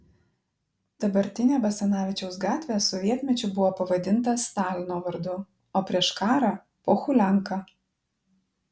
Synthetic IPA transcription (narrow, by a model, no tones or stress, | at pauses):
d̪ɐbɐɾʲt̪ʲɪnʲeːbɐsʲɛnɑːʋʲɪt͡ʃʲɛʊsɡɑːt̪ʲʋʲeːsɔʋʲiɛt̪ʲmʲɛt͡ʃʲʊbʊʋoːpɐʋɐd̪ʲɪnt̪ɐst̪ɑːlʲɪnoːʋɐɾd̪ʊ | oːpʲɾʲiɛʃkɑːɾɑː | poːxʊlʲæŋkɑː